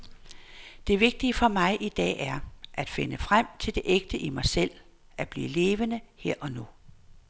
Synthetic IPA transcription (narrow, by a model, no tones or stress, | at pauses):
d̥e̝ʋe̝ɡ̥̚d̥iəfɒ̽mɑ̈ɪʔid̥ɛ̰ːæɐʔæd̥fe̝nəfʁam̰t͡sʰe̝ld̥e̝ʔeɡ̥̚d̥əʔimɑ̈ɪsel̰ | æb̥lḭːle̝ːʋənəheɐ̰ʔɒ̽nu